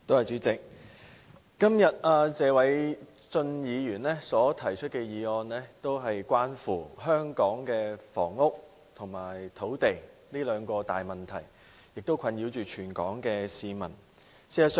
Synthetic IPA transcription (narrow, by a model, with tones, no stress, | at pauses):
t̪o˥whɐ˨jt͡ʃyː˨˥t͡sɪ˨k̚ | kɐ˥mjɐ˨t̚aː˧t͡sɛː˨˧wɐ˨˥j | t͡sɵ˧njiː˨˧jyː˨˩nlɛː˥sɔː˨˥t̪ʰɐ˨˩jt͡ʃʰɵ˥t̚kɛː˧jiː˨˧ɔː˧nlɛː˥t̪o˥wɦɐ˨jkʷaː˥nfuː˨˩ɦœː˥ŋkɔː˨˥ŋkɛː˧fɔ̰ː˨˩ŋːʊ˥k̚ | t̪ʰʊ˨˩ŋmaː˨˩jt̪ʰo˨˥wt̪e˨j | liː˥lœː˨˧ŋkɔː˧t̪a̰ː˨jmɐ˨nt̪ʰɐ˨˩j | jɪ˨k̚t̪o˥wkʷʰɐ˨˧njiː˨˧wt͡ʃyː˨t͡ʃʰyː˨˩nkɔː˨˥ŋkɛː˧siː˧mɐ˨˩n | siː˨˥ɐ˨s